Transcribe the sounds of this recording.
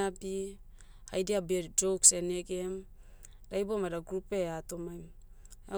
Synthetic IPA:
abi | hajdiabed͡ʒowkseneɡe̞m | dajbomadaɡɾupe̞atomajm | a

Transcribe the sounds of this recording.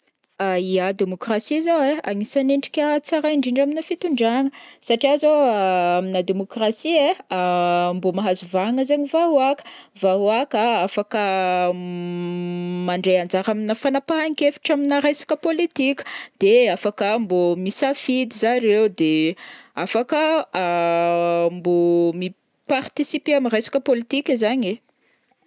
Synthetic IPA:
aiad̪emokrasizowea̰ŋisaneɳɖ͡ʐi̥kʲət͡saɾaiɳɖ͡ʐiɳɖ͡ʐaminəfit̪uɳɖ͡ʐaŋəsaʈ͡ʂiazoaaminəd̪emokrasieambomaɦazuvaŋəzaɲivaɦuakə̥vauakaafakə | maɳɖ͡ʐejand͡ʒaɾaminəfanapaɦaŋkefi̥ʈ͡ʂaminaɾajsḁkəpolit̪ikʲə̥d̪̥eafakəmbomisafid̪izaɾewd̪eafakə | mbomi | part̪isipeamirajsḁkəpolit̪ikʲezaɲe

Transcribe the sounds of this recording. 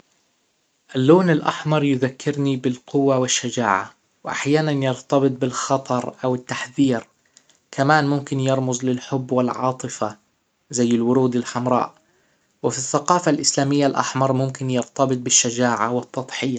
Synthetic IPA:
ʔalːoːnɪlʔaħmɑɾˤjʊðakːɪɾnibɪlqʊwːawɪʃːad͡ʒaːʕa̰ | wʔa̰ħjaːnanjɑɾt̪ɑbɨt̪̚ˤbɪlxɑt̪ˤɑɾˤʔawɪt̪ːaħðiːɾ | kʰamaːnmʊmkɪnjɑɾˤmʊzˤlɪlħʊbːwɪlʕɑ̰ːt̪ˤɨfa | zajːɪlwʊɾuːd̪ɪlħamɾˤɑ̰ːʔ | wɪfiθːaqɑːfalʔɪslaːmɪjːalʔa̰ħmɑɾˤmʊmkɪnjɑɾt̪ɑbɨt̪̚ˤbɪʃːad͡ʒaːʕawɪt̪ːɑt̪ˤħɪja

